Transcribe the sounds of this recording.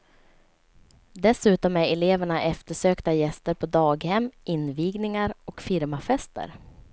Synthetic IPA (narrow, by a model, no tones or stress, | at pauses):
d̪ɛsʉ̟ːt̪ɔmæɾɛleːvæɳaʔɛft̪əʂøːkt̪ajɛst̪əɾpʰɔd̪ɑːɡhɛmːɪnviːɡnɪŋaɾɔkfɪɾmafɛst̪ə̰ɾ